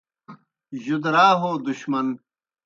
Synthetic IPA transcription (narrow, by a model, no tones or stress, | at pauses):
ʑud̪ɾaːɦoːd̪uɕmɐn